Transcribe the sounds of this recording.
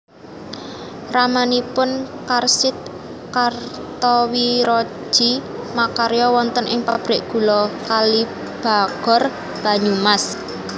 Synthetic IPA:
ramanipʊnkarsɪt̪̚ | kar | t̪ɔwiɾɔ̥ | ʒ̥imakaɾejɔwɔnt̪ənɪŋpab̥ɾɪʔɡ̥ṳlɔkali | b̥a̤ɡ̥ɔ̤r | b̥a̤ɲumas

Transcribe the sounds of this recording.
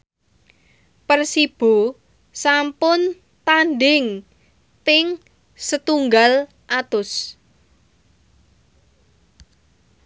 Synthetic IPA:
pərsib̥o̤ | sampʊn | t̪anɖɪŋ | tɪŋ | sət̪uŋɡal | ʔat̪ʊs

